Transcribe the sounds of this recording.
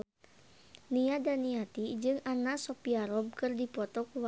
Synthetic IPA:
niadaniat̪id͡ʒɨŋanasɔpiaɾɔb̚kɨrdipɔt̪ɔkuw

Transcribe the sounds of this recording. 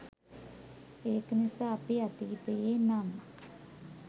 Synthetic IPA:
eːknisaːpiat̪iːt̪ejeːnamək

